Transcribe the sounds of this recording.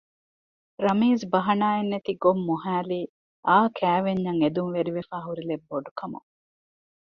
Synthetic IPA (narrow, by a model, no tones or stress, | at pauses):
ɾɐmiːzbɐɦɐnaːenːet̪iɡomːuɦæːliː | aːkʰæːʋeɲːɐŋed̪unʋeɾiʋefaːɦuɾilebːoɖukɐmṵŋ